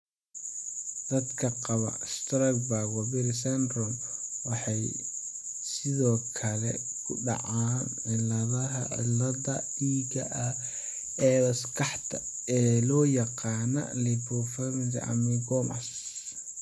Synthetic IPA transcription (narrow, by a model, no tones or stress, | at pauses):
d̪̥ɐd̪kʰɐqɑβɐ̰st̪ɾɐkbaɡwɐbɪɾɪsɛnd̪ɾɔmwɑħɑj | sɪðɔːkʰɐlɛ | kʰʊ̰ɖɑ̰ʕaːn | ɪlɐðɐɦɐ̰ʕɪ̰lɐðɐ | iːɡɐʔɐ | ɛːɐskʰɑħt̪ʰɐ | ɛːlɔːjɑqɑːnɐ̰libɔfɛmɪlḭʔɐ̰miɡɔmɐ̰s